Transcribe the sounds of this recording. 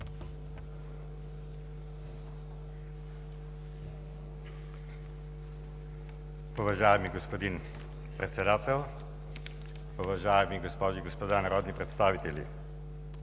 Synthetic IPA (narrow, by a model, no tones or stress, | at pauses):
pɔʋaʒaːjamiɡɔspod̪in | pɾɛt̪sʲɛd̪aːt̪ɛw | pɔʋaʒaːjamiɡɔspɔːʒiɡɔspɔd̪anaɾɔːd̪nipɾɛt̪st̪aːʋit̪ɛljḭ